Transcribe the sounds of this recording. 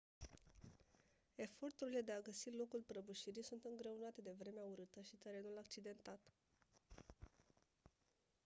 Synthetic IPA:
e̞fo̞rt̪uɾile̞d̪e̞aɡəsilo̞kulpɾəbuʃiɾisunt̪ɨŋɡɾe̞unat̪e̞d̪e̞vɾe̞meauɾɨt̪əʃit̪eɾe̞nulak̚t͡ʃid̪e̞nt̪at̪

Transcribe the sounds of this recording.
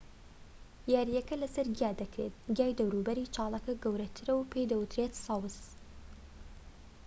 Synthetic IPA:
jaːɾijɐkɐlɐsɐɾɡjaːd̪ɐkɾet̪̚ɡiaːjd̪ɐwɾubɐɾiːt͡ʃʰɑːlˠɐkɐɡɐwɾɐt̪ʰɨɾɐwpʰejd̪ɐwɨt̪ɾeːt̪sɑwɨs

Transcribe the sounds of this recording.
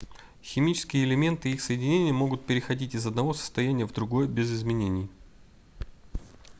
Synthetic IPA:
xʲɪmʲit͡ɕɪ̥skʲɪjəɪlʲɪmʲe̞nt̪ɨixsəjɪdʲɪnʲenʲɪjəmo̞ɡʊt̪̚pʲɪɾʲɪxɐdʲitʲɪzɐd̪nɐvo̞sə̥st̪ɐjænʲɪjəvd̪ɾʊɡo̞jəbʲɪzɪzmʲɪnʲenʲɪj

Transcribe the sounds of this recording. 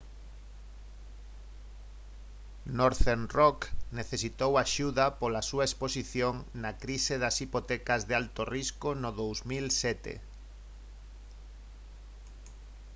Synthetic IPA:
noɾθenrokneθesit̪owaʃuðapolasuaesposiθjoŋnakɾiseðɐsipot̪ɛkɐzðealt̪oriskonoðowzmilsɛt̪ḛ

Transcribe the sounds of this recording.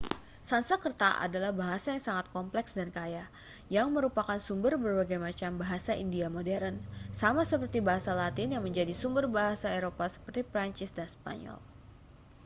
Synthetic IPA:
sansakərt̪a̰ʔa̰dalahbaɦasajaŋsaŋat̪̚kɔmplɛksdankaja | jaŋməɾupakansumbərbərbaɡajmat͡ʃambaɦasaʔindiamodɛɾənsamasəpərt̪ibaɦasalat̪ɪnjaŋməɲd͡ʒadisumbərbaɦasaeɾopasə̥pərt̪ipɾaɲt͡ʃɪsdanspa̰ɲɔ̰l

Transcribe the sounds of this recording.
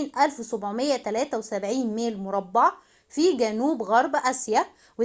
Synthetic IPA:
nʔælfwsobʕomɪjːæt̪ælæːt̪æwesæbʕiːnmæːlmʊɾˤɑbːɑʕɑ | fiːɡænuːbɣɑɾˤbʔæsjæ | we

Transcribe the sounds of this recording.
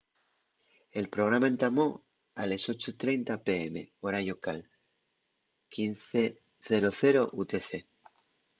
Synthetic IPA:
e̞lpɾo̞ɣ̞ɾamaent̪amo̞ | a̰le̞so̞t͡ʃot̪ɾe̞jnt̪ape̞eme̞̰oɾajokal | kinθe | θe̞ɾoθe̞ɾoʔut̪eθe

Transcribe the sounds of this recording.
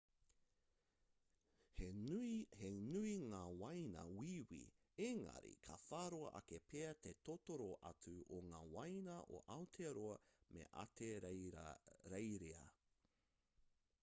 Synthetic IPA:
hehenuiŋaːwɐjnɐ̰wiwḭ | eŋɐ̰ɾḭkʰɐfaːɾoɐʔɐ̰kepʰeɐt̪etʰotoɾoʔɐt͡suʔoŋaːwɐjnɐʔo̰ʔɐwt̪ʰeɾoɐmḛʔɐ̰t̪eɾ | ɾejɾeɐ̰

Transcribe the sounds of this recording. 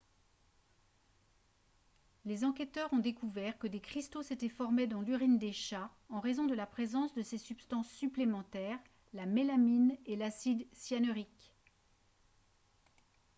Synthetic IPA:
lezɑ̃k̬ʲet̪œʁɔ̃d̪ekuvɛʁkəd̪ekχist̪oset̪ɛfɔʁmed̪ɑ̃lyʁind̪eʃa | ɑ̃ʁezɔ̃d̪əlapχezɑ̃sd̪əsesypst̪ɑ̃sːyplemɑ̃t̪ɛʁ | lamelaminelasid̪sjanøʁik

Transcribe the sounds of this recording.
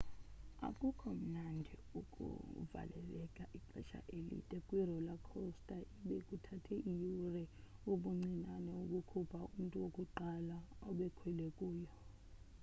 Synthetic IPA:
a̰kʼukʰɔm̩nandʱɛukʼṵva̰lɛlɛkʼaʔiǃɛ̰ʃa̰ʔelḭtʼɛkʼwirɔlakʰostʼaiɓekʼutʰatʰɛʔijurɛ | uɓuŋ͡ǀinanɛukʼukʰupʰaum̩tʼuwokʼuǃalaɔɓɛkʰwɛlɛkʼuːjɔ

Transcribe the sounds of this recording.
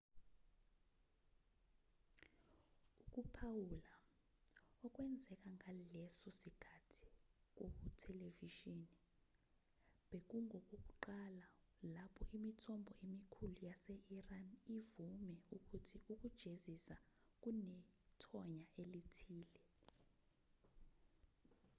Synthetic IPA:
uk̬ʼupʰawula | ɔk̬ʼwɛnd͡zʱɛk̬ʼaŋalɛsɔsikʰatʰi̥k̬ʼoɓutʰɛleviʃiːni | b̥ek̬uŋʱok̬ʼuk̬uǃala | lapʰɔʔimitʰɔmbʱɔemikʰulujaseʔiranivumɛuk̬utʰiuk̬ud̥ʒ̥ʱezisa | k̬unɛtʰɔɲaʔelitʰiːlɛ

